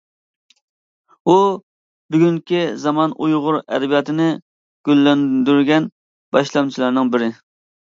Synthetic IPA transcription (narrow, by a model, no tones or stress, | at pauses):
u | byɡʲyŋkʲizɑmɑnʔujʁʊɾɛ̰d̪ɪbijɑt̪ʰɨnɪ | ɡ̥ʲølːɛnd̪yɾɡʲɛn | b̥ɑʃlˠɑmt͡ʃʰilˠɑɾnɨŋbɪɾɪ